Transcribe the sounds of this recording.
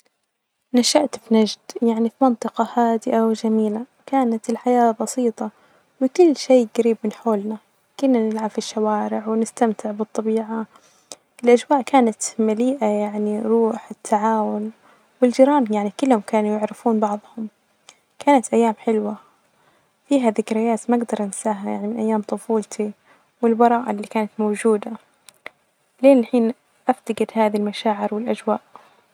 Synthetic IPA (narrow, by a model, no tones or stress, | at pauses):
naʃaʔt̪bnad͡ʒd̪jaʕnifimɑnt̪ˤɨqɑhaːd̪ɪʔawɪd͡ʒamiːla | kaːnat̪ɪlħajaːbɑsiːt̪ˤɑ | wɪkʊlːʃeːɡaɾiːbmɪnħoːlna | kʊnːanɪlʕabfiʃːawaːɾɪʕwɪnɪst̪amt̪ʰɪʕbɨt̪ˤːɑbiːʕa | ɪlʔad͡ʒwaːʔkaːnat̪maliːʔajaʕniɾuːħɪt̪ʰːaʕaːwʊn | wɪld͡ʒiɾˤɑːnjaʕnikʊlːhʊmkaːnujɪʕɾɪfuːnbɑʕðˤhʊm | kaːnat̪ʔajːaːmħɪlwa | fiːɦaðɪkɾɪjaːt̪maɡd̪ɑɾˤʔɪnsaːɦaja̰ʕnimɪnʔajːaːmt̪ˤʊfuːlt̪ʰi | wɪlbɑɾˤɑːʔa̰lːiːkaːnat̪mowd͡ʒuːd̪a | leːnɪlħiːn | ʔaft̪aɡɪd̪haːðilmaʃaːʕɪɾwɪlʔad͡ʒwaːʔ